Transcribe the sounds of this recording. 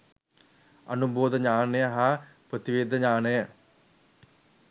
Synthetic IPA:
ɐ̰nuboːd̪ɐɲaːnɐjɐɦaːpɾɐt̪iʋeːd̪ʱɐɲaːnɐjɐ

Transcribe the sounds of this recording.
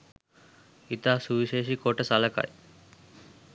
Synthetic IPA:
it̪aːsuʋiʃeːʃikoːʈɐsalɐka̰j

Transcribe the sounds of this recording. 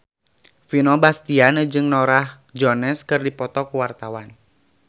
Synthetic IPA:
finɔbast̪ianəd͡ʒɨŋnɔɾah | d͡ʒɔnɛskɨrdipɔt̪ɔkuwart̪awan

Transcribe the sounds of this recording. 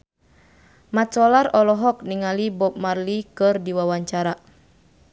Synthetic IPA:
mat͡ʃɔlarɔlɔɦɔk̚niŋalibɔp̚marlikɨrdiwawaɲt͡ʃaɾa

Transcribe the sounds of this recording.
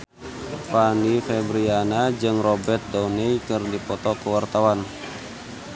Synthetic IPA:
panifɛbɾianad͡ʒɨŋrɔbɛrt̪̚dɔnɛjkɨrdipɔt̪ɔkəwart̪awan

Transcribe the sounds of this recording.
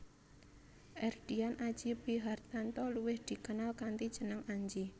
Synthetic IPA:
ʔɛrd̪̥ianʔḁd͡ʒ̥ibiɦart̪ant̪ɔluwɪhd̪̥i̤kənalkant̪id̥ʒ̥ə̤nəŋaɲd͡ʒi

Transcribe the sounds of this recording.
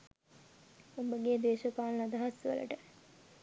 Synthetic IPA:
ombəɡed̪eːʃəpaːlnad̪aɦasʋə̰lə̰ʈə

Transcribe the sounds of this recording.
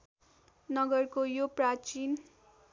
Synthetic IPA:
nʌɡʌrkojoprat͡ʃin

